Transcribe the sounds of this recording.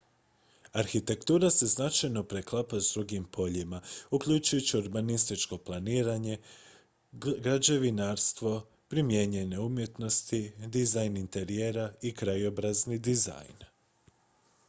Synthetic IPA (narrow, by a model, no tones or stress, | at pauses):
aɾxit̪e̞kt̪uːɾase̞znat͡ʃajno̞pɾe̞klˠapazd̪ɾuɡimpʰo̞ʎimaukʎut͡ʃujut͡ɕiuɾbanist̪it͡ʃko̞plˠaniːɾaɲe̞ | ɡɾad͡ʑe̞ʋinaɾst̪ʋo̞ | pɾimje̞ɲe̞ne̞umje̞t̪no̞st̪id̪izajnint̪e̞ɾije̞ɾaikɾajo̞bɾaznid̪iza̰jn